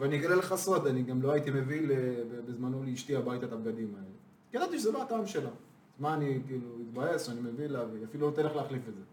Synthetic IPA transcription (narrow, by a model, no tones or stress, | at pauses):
veaniɡalelχasod̪aniɡamlo̞ait̪ime̞vilebebezmanoliiʃt̪iabajt̪atap̚ɡad̪imaele | kelant̪iʃezeloataːmʃela | zmaanikiːluit̪baje̞soanime̞vilavafilulot̪aleχleaχlifetze